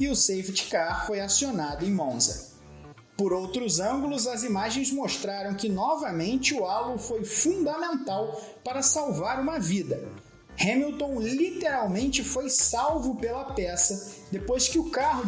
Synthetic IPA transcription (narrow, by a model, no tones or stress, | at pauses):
ɪʊsejvt͡ʃkaɾfojasionad̪ʊẽj̃mõzɐ̰ | poɾowt̪ɾʊzɐ̃ɡulʊzɐzimaʒẽj̃zmoʃt̪ɾaɾɐ̃w̃kɪnɔvɐmẽnt͡ʃɪʊalʊfojfũnd̪ɐmẽnt̪aw | paɾɐsawvaɾũmɐvid̪ɐ | hẽmilt̪õw̃lit̪eɾawmẽnt͡ʃɪfojsawvʊpelɐpɛsɐd̪epojskɪʊkaɦʊ